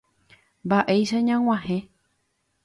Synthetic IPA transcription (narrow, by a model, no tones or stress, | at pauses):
mbaʔe̞jʃaɲãw̃ãhẽ